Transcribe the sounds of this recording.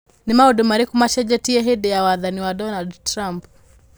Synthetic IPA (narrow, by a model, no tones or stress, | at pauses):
nimaudumaɾikumaʃɛd͡ʒɛtiɛɦɛdɛjawaðaniwadɔnaldtɾamp